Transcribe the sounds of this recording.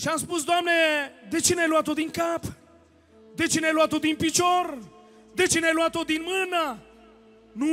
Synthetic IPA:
ʃiamspus̬d̪oamned̪et͡ʃeneajluat̪ot̪d̪iŋkap | d̪et͡ʃeneajluat̪ːot̪d̪inpit͡ʃor | d̪et͡ʃeneajluat̪ːot̪̚d̪inmɨna | nu

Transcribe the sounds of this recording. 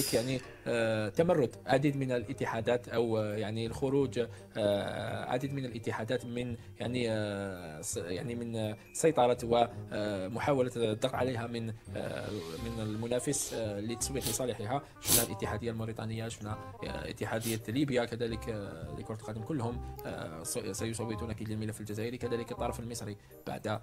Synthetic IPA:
kjaʕni | t̪ːæmɑrˤːʊd̪ʕad̪id̪mənəlʔət̪ːəħad̪æt̪ʔəwjaʕnilxʊɾud͡ʒ | ʕa̰d̪əd̪mənəlʔət̪ːəħad̪æt̪mən | jaʕni | ja̰ʕnimən | sːɑjt̪ˤɑɾˤɑwəmʊħawælət̪d̪ːəq̪ʕa̰ləɦæmən | mənəlmʊnæfəslːit̪ɑ̥sˤbiħləsˤɑləħəɦæ | ʃəfnhælʔət̪ːəħad̪əjːalmɑɾit̪ˤɑ̰nəjːaʃəfnhæ | ʔə̰t̪ːəħad̪əjːalibjakæd̪æləklə̰kʊɾt̪lqɑd̪əmkʊlːhʊm | sæjʊsˤɑwːɪt̪ˤunʔækid̪ləlmələfːəld͡ʒæzæʔəɾikæd̪æləkət̪ˤːɑɾˤɑfəlməsˤɾi | b̥a̰ʕd̪

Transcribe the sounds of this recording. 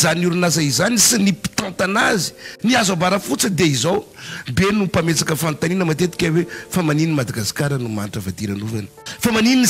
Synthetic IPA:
zanuɾunazaizanisinipi̥t̪ãnt̪anazi̥niazabaɾafut͡səd̪eizawbenupamet͡sakəfant̪aninəmat̪et̪i̥kʲawefamanininimad̪aɡasi̥kaɾənumanʈ͡ʂəvat̪iɾanuvanə̥famaninini

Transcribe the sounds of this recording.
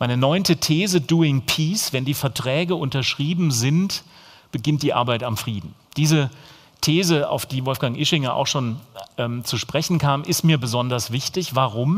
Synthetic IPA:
maɪnənɔʏntətʰeːzəduːɪŋpʰiːsv̥ɛndiːfɛɐtʁ̥ɛːɡəʔʊntɐʃʁ̥iːbm̩zɪnt | b̥əɡɪnt̚d̥iːʔa̰ɐbaɪtamfʁ̥iːdn̩d̥iːzə | tʰeːzəa̰ʊfd̥iːvɔlfɡ̥aŋʔɪʃɪŋɐʔa̰ʊxʃoːnʔɛːmt͡suʃpʁ̥ɛçn̩kʰaːmʔɪstmiːɐbəzɔndɐsv̥ɪçtɪçv̥aʁʊm

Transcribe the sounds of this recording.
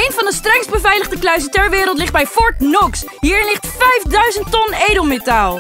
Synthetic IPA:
ejnvɑndəstrɛŋsdbəvɛjləχdəklœɥs̬ətɛɹʋɪːɾəlˠt̬lɪχ̚d̚bɛjfɔɹtnɔksɦiːɹɪnlɪχtfɛjfdœɥzəntɔnejdəlˠmetaːlˠ

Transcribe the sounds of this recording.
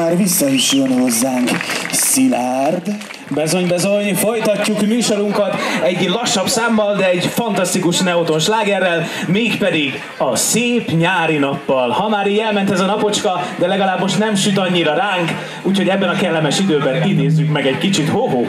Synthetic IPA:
aːrvisːɒiʃɲonozːaːŋksilaːrd̪ | bɛzo̞ɲbɛzo̞ɲfo̞jt̪ɒcːukmyːʃoɾuŋkɒt̪ɛɟlɒʃːɒbsaːmːɒld̪ɛːɟfɒnt̪ɒst̪ikuʃnɛot̪o̞nʃlaːɡɛrːɛl | meːkpɛd̪iɡ | ɒseːpɲaːɾinɒpːɒlhɒmaːɾiːjɛlmɛnt̪ɛzɒnɒpo̞t͡ʃkɒd̪ɛlɛɡɒlaːbmo̞ʃt̪nɛmʃyt̪ɒɲːiɾɒɾaːŋk | uːchoɟɛbːɛnɒkɛlːɛmɛʃid̪øːbɛnkineːzːykmɛɡɛckit͡ʃit̪hoɦoː

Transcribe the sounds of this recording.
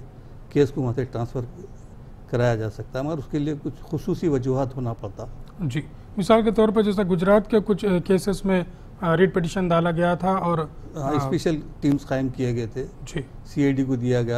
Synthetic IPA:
keːskoʋɐɦãtsʰeʈɾãːnsfʰəɾ | kɐɾaːjad͡ʒaːsɐk̚t̪aɦɛaɾʊskeliekʊt͡ʃʰxʊsuːsiʋɐd͡ʒuɦaːt̪ɦoːnapɐɽt̪aɦɛd͡ʒiː | mɪsaːlket̪ɔːɾpɐɾd͡ʒɛːs̬aɡʊd͡ʒɾaːt̪kekʊt͡ʃʰkeːsɪsmẽ | ɾeːɖ̚peʈ̬iʃənd̪aːlaɡɐjat̪ʰaɔːɾ | ɦãɪspeːʃəlʈiːmsqaːɪmkijeɡɐet̪ʰed͡ʒiː | siaːɪɖikod̪ijaɡɐja

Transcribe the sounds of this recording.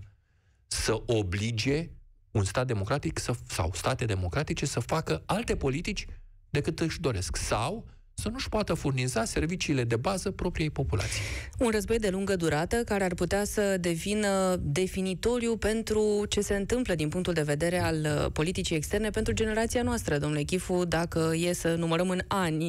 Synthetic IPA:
səʔoblid͡ʒe̞ | unst̪at̪̚d̪e̞mo̞kɾat̪iksəsa̰wst̪at̪e̞d̪e̞mo̞kɾat̪it͡ʃe̞səfakəalt̪e̞po̞lit̪it͡ʃʲ | d̪e̞kɨt̪ɨʃd̪o̞ɾe̞sksaw | sənuʃpoat̪əfurnizase̞rvit͡ʃiːle̞d̪e̞bazəpɾo̞pɾije̞jpo̞pula̰t̪sijunrəzbo̞jd̪e̞luŋɡəd̪uɾat̪əkaɾe̞arput̪easəd̪e̞vinəd̪e̞finit̪o̞ɾjupe̞nt̪ɾut͡ʃe̞se̞ɨnt̪ɨmpləd̪inpuŋk̚t̪uld̪e̞ve̞d̪e̞ɾe̞alpo̞lit̪it͡ʃijekst̪e̞rne̞pe̞nt̪ɾud͡ʒe̞ne̞ɾat̪sianoast̪ɾəd̪o̞mnule̞kʲifud̪akəje̞sənuməɾəmɨnanʲ

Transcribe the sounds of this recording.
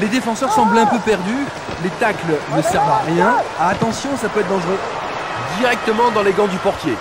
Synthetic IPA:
led̪efɑ̃sœʁsɑ̃blɛ̃pøpɛʁd̪y | let̪aklnəsɛʁvaʁjɛ̃aːt̪ɑ̃sjɔ̃sapøɛt̪̚d̪ɑ̃ʒʁø | d̪iʁɛk̚t̪əmɑ̃d̪ɑ̃leɡɑ̃d̪ypɔʁt̪je

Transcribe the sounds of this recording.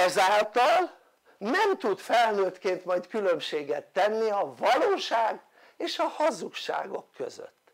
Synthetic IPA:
ɛzaːlt̪ɒl | nɛmt̪ut̪fɛlnøːt̪keːnt̪mɒjt̪kylø̞mʃeːɡɛt̪ːɛnːiɒvɒloːʃaːɡ | eːʃɒhɒzukʃa̰ːɡo̞̰kʰːø̰zø̰t̪ː

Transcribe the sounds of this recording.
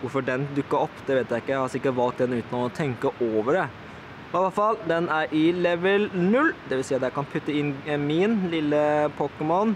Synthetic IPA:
ʋʊɾfɔɖɛnd̪ʉkːəɾɔpːd̪ɛʋeːt̪jæɪkːəhɑɾsɪkːəʈʋɑlk̚t̚d̪ɛnʉːt̪nɔɔt̪ʰɛŋkəʔoːʋəɖɛ | ɑləfɑlːd̪ɛnæɾʔɪlɛʋəlnʉlːd̪ɛʋɪlsiːɑd̪jækʰɑnpʰʉt̪ːəɪnmɪnlɪlːəpʰokəmɔn

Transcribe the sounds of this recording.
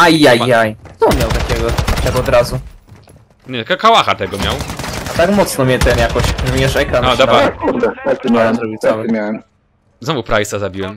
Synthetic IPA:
ajajjajt̪ɔmʲjawt̪akʲɛɡɔt̪akɔd̪ɾazu | ɲɛakakawaxat̪ɛɡɔmʲjawat̪akmɔt̪snɔmʲɛt̪ɛmjakɔɕʐmʲjɛʂɛkɾanɔd̪ɔɾakuɾd̪ɛt̪at̪ɪmʲjaɛd̪ɾuɡisawmʲjawɛm | znɔvupɾajsazabʲiwɛm

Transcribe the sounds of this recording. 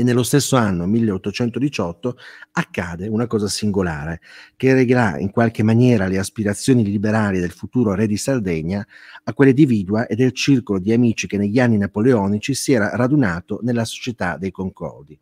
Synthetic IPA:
enːelːost̪esːoanːomilːeot̪ːot͡ʃɛnt̪od̪it͡ʃɔt̪ːoakːaːd̪eunakɔːzasiŋɡola̰ːɾekereɡeɾa̰ḭŋkwalk̟emːanjɛːɾaleaspiɾat̪sːjoːnilibeɾaːlid̪elfut̪uːɾoɾɛd̪isard̪ɛɲːaakːwelːid̪iviːd̪uaʔed̪ːelt͡ʃirkolod̪iamiːt͡ʃik̟enːeʎːanːinapoleɔːnit͡ʃisiɛːɾaɾad̪unaːt̪onelːaso̥t͡ʃet̪ad̪ejkoŋkɔ̰rd̪i

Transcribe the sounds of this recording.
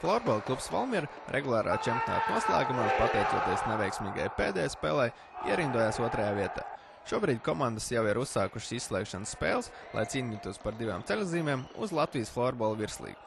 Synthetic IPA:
flˠɔːɾbɔlˠklˠupsvɔ̰lˠmʲiɾ | ɾʔeɡulˠaːɾa̰ːt͡ʃɛmpʲjna̰ːt̪nuɔslˠæ̰ːɡumaːspat̪ɛjt̪uɔːt̪iɛsneʋɛjksmʲiːɡa̰jpeːd̪ɛːjspeːlˠaj | ḭɛɾind̪uɔjaːsuɔt̪ɾɐjaːviɛt̪a̰ː | ʃuɔbɾiːd̪ʲkɔmand̪əsjawiɾusːaːkuʃsissːlˠɛ̰ːkʃanəsːpḛːlˠs | lˠa̰jt̪iːnʲiːt̪uɔspaɾd̪iva̰ːmt̪selʲziːmʲeːmṵzlˠat̪vʲiːsflˠɔːɾbɔlˠviɾslˠḭːɡ̥u̥

